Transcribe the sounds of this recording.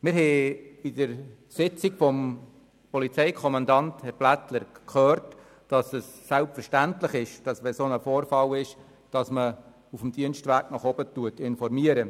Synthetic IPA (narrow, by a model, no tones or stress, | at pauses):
mɪɾɦɛidəɾ | sɪt͡sikfɔm | pɔlit͡sɛɪkʰɔmɑndɑnthɛɾb̥lætləɾkʰøːɾt | d̥ɑsəsːælpfəɾʃtæntlɪχɪʃd̥ɑsʋɛsonəfoːɾfɑlɪʃ | d̥ɑsmə | ufm̩d̥iənstʋæɾknɔχɔb̥ətuətɪnfɔɾmiəɾə